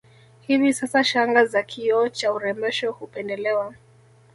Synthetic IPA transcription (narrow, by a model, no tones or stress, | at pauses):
hivisasaʃaŋɡazakʰiɔt͡ʃauɾɛmɛʃɔhupɛndɛlɛwa